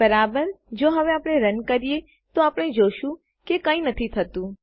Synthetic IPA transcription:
bəɾabəɾd͡ʒoɦəʋeapɽ̃eɾənkəɾije | t̪oapəɽ̃ed͡ʒoʃũ | kekə̃ĩnət̪ʰit̪ʰət̪ũ

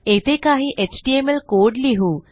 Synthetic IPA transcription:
et̪ekaːɦiʔet͡ɕɖiemelkoːɖliɦu

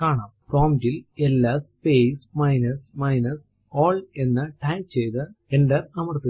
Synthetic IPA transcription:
kaːɳaːmproːmdilelːɐspesmɐjnɐsmɐjnɐs | oːɭenːɨʈaːjt͡ɕejt̪ɨenɖɐrɐmɐrt̪ːi

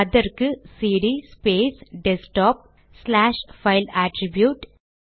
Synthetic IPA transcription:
ɐd̪ɐɾkɨsiːɖispeːsɖesʈɔːp̚ | slaːʃfɐɪlaːʈɾibjuːʈ

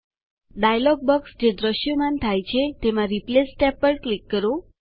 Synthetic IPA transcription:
ɖajlɔɡ̚bəksd͡ʒed̪ɾəʃjəmant̪ʰajt͡ʃʰet̪emãɾiplesːʈɛpːəɾɽklikːəɾo

